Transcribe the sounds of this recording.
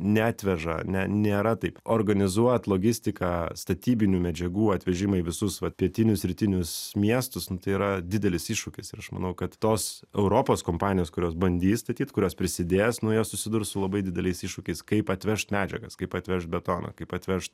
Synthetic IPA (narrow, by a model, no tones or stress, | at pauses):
nʲɛːt̪ʲʋʲɛʒɐ̰nʲɛnʲeːɾɐt̪ɐɪpoːrɡɐnʲɪzuɔt̪lˠoːɡʲɪsʲt̪ʲɪkɑst̪ɐt̪ʲiːbʲɪnʲuːmʲɛd͡ʒʲɛɡuːɐt̪ʲʋʲɛʒʲɪmɐiʋʲɪsʊsʋɐt̪pʲiɛt̪ʲɪnʲʊsɾʲɪt̪ʲɪnʲʊsmʲiɛst̪ʊsnʊt̪ɐɪiɾɐd̪ʲɪd̪ʲɛlʲɪsiːʃʃʊkʲɪsɪɾɐʃmɐ̰nɐʊkɐt̪t̪oːsɛʊɾoːpoːskoːmpɑːnʲɪjoːskʊɾʲoːs̬bɐnʲd̪ʲiːst̪ɐt̪ʲiːt̪kʊɾʲoːspʲɾʲɪsʲɪd̪ʲeːsnʊjoːssʊsʲɪd̪ʊɾsʊlˠɐbɐɪd̪ʲɪd̪ʲɛlʲɛɪsiːʃʃʊkʲɛɪskɐɪpɐt̪ʲʋʲɛʃt̪mʲæːd͡ʒʲɛɡɐskɐɪpɐt̪ʲʋʲɛʃt̪̚bʲɛt̪oːnɐ̰kɐɪpɐt̪ʲʋʲɛʃt̪